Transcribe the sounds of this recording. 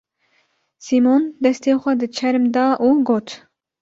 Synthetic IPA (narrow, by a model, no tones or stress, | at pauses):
simond̪ɛst̪eːxʷɛd̪ɨt͡ʃʰɛɾmd̪ɑːʔuːɡoːt̪